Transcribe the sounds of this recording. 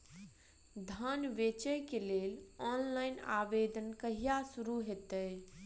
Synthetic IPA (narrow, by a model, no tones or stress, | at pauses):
d̪ʱənʋet͡ʃəjkelelɔnlaɪna̰bed̪ənkəɦijasuɾuɦet̪əj